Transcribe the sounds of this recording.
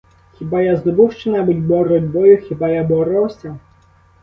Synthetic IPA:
xʲibajazd̪ɔbɨwʃt͡ʃɛnabɨdʲbɔɾɔdʲbɔjʊxʲibajabɔɾɔwsʲɐ

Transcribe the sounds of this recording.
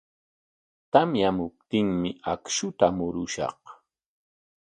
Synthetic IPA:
t̪amjamʊp̚t̪ɪŋmɪakʃʊt̪amʊɾʊʃɑ̰χ

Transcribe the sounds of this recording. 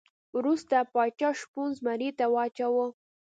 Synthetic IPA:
wɾust̪apɑt͡ʃɑʃpunzmaɾit̪awɑt͡ʃawə

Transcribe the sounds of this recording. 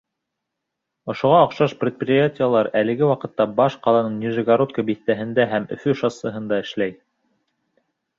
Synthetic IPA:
ŏʃŏʁɑːqʃɑʃprʲɪt̪̚prʲɪjatʲijəlˠɑɾælɘ̆ɡɘwɑqɤ̆t̪ːɑbɑʃqɑlˠɑnɤɴjuʒɘɡaɾot̪̚kəbiθt̪æɦɘ̆nd̪æɦæmɵ̰̆fɵʃɑsɤ̆ɦɤ̆nd̪ɑɘ̆ʃlæj

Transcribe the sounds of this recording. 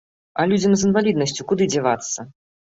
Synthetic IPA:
ɐlʲud͡zʲɐmzɨnvalʲid̪nɐsʲt͡sʲukud̪ɨd͡zʲɛvat̪sːɐ

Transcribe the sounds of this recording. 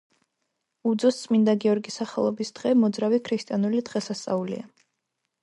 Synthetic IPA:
ud̪zɔst̪sʼmind̪aɡiɔɾɡisaχɛlˠɔbisd̪̥ʁɛmɔd̪zɾavikʰɾist̪ʼianulid̪ʁɛsast̪sʼa̰ulḭa

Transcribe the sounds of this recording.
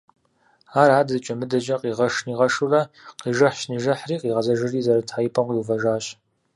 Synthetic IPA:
aːraːdɨzɨt͡ʃʼɐmɨdɐʒɐqʼiːʁɐʂniːʁɐʂurɐqiːʒɐħɕniːʒɐħriːqiːʁɐzɐʒɨriːzɐɾɐtʰħajpʰʼɐmqʼiwuvɐʒaːɕ

